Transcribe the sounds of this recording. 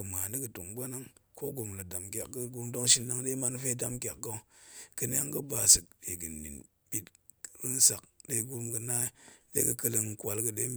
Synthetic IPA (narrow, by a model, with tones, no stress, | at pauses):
ɨ˨ma˨ni˦kɨ˨to˨ŋɡ͡bʷa˦na˦ŋko˦ɡo˨mlɨ˨da˨mkʲa̰˨k̚ɡə˦ɡu˧ɾdo˦ŋʃi˧nː˦a˦ŋde˦ma˧n˦fe˦da˦mkʲa˨k̚ːo˧˦kɨ˧ne˦a˦ŋ˦ɡə˦ba˨sɨ˨k̚ɗe˨ɡɨ˨nːḭ˨n | bi˦t | ɾɨ˦n˦sa˨k̚de˦ɡu˦ɾmɡɨ˧na˦dḛ˦kɨ˨kə˧lə˧ŋ˨kʷa˧lkɨ˧ɗe˦